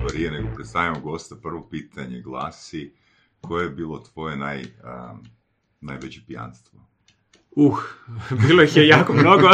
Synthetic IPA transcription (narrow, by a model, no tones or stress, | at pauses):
oɾieneɡopɾet̪st̪aʋimoɡo̞st̪apr̩ʋo̞piːt̪ʰaɲeɡlˠa̰ːsi | kʰojejebiːlˠot̪ʋo̞jenaj | najʋet͡ɕepija̰nst̪ʋo | uxbiːlˠojixjejaːkomnoɡo